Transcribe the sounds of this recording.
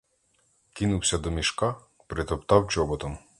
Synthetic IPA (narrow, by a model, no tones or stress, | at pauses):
kinuwsʲɐd̪ɔmʲiʃkɑ | pɾɪt̪ɔpt̪ɑwt͡ʃɔbɔt̪ɔm